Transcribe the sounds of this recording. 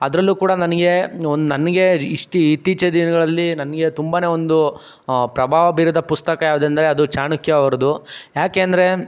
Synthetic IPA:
ɐd̪ɐɾɐlːuːkuːɽɐnɐnɐɡe̞ond̪unɐnːɐɡe̞iʂʈuit̪ːiːt͡ʃɐd̪inɐɡɐɭɐlːinɐnɐɡe̞t̪umbaːne̞ːo̞nd̪u | pɾɐbʱaːʋɐbiːɾɐd̪ɐpust̪ɐkɐjaːʋud̪end̪ɐɾeɐd̪ut͡ʃaːɳukjɐɐʋɐɾɐd̪ujaːkeːɐnd̪ɐɾe̞

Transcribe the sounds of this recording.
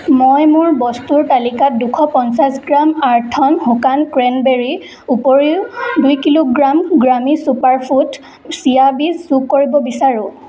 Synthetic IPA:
mojmʊɹbɔstuɹtalikat̚dukʰɔpɔnsasɡɹamaɹtʰɔnhukankɹɛnbeɹi | upoɹiwdujkiloɡɹamɡɹamisupaɹpʰut | sijabisːukːoɹibɔbisaɹʊ̃

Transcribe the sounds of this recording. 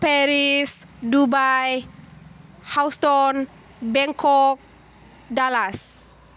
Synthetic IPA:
pɛɾisdubaj | hawst̪ɔn | bɛŋkɔk̚ | dalas

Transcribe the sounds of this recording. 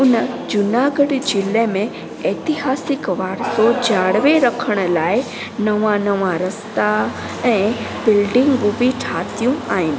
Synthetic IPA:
ʊnəd͡ʑʊnaɡəɽd͡ʑɪlemẽ | eːt̪ɪɦaːsɪkʋaːɾsod͡ʑaːɽʋeɾɐkʰəɽ̃ʊ̆laːɪ | nɐʋãnɐʋãɾɐst̪a | ɛ̃ːbɪlɖɪ̃ŋɡɡubiʈʰaːt̪ijũaːɦɪnɪ̆

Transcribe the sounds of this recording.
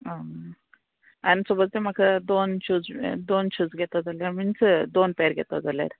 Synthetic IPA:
ə | anisobət͡sd̪em̤akʰad̪ont͡ɕʰuːd͡zd̪ont͡ɕʰuːd͡zɡʱet̪əd͡zaljaɾminsd̪onpeɾɡʱet̪əd͡zalja̰ɾ

